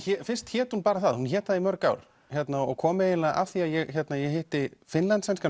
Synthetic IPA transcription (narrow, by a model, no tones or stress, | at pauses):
çɛfɪr̥st̪çɛːt̪hunpaːɾaθaðhunçɛːt̪aðimœɾkawɾ̥ | çjɛt̪naɔ̰ɣkʰɔːmɪejɪnlaʔa̰fθiaðjɛɣçjɛt̪najɛhɪht̪ɪfɪnlant̪sɛnska